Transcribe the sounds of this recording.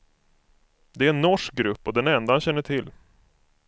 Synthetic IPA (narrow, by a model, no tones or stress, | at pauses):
d̪ɛæɾɛnːɔʂk̚ɡɾɵpːɔd̪ɛnɛnd̪ahanɕɛnːəʈʰɪlː